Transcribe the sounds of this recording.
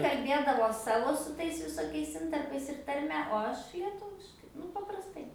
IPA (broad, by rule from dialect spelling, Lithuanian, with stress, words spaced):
kɐlʲˈbʲeːdɐʋoː ˈsɑːʋoː sʊ ˈtɐɪs ʋʲɪsoːˈkʲɛɪs ˈɪntɐrpɐɪs ɪr tɐrʲˈmʲɛ oː ˈɐʃ lʲiɛˈtʊʋʲɪʃkɐɪ ˈnʊ pɐprɐsˈtɐɪ